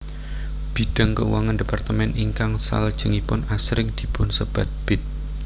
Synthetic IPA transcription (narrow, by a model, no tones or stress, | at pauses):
b̥i̤d̥a̤ŋkəṵwaŋandepart̪əmɛniŋkaŋsa̰ləd̥ʒ̥ə̤ŋipʊnasɾɪŋd̪̥i̤pʊnsəb̥a̤t̪̚b̥ɪt̪̚